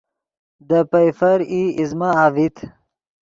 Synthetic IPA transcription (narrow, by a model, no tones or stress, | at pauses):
d̪əpɐjfɐɾiizmaavit̪ʰ